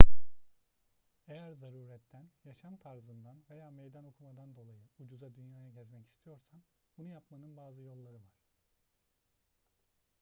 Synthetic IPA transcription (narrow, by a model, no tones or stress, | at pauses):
e̞jæɾzaɾuːɾɛt̪ʰːænjaʃamt̪ʰaɾzɯnd̪anve̞jaːmejd̪ano̞kʰumad̪and̪o̞lˠajɯud͡ʒuzad̪ynjaːjaɟɛzmɛci̥st̪ʰijo̞ɾsan | bunujapmanɯnbaːzɯjo̞lˠːaɾɯvaɾ̥